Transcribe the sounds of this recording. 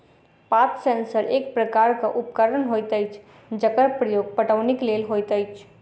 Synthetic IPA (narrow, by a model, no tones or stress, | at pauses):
paːt̪ʰsɛ̃ːnsəɾeːk̚pɾəkaːɾkaʔʊpkəɾənɦoːjt̪əɪt͡ʃʰ | d͡ʒəkəɾpɾəjoːɡ̚pəʈəʋnɪkleːlɦoːjt̪əɪt͡ʃʰ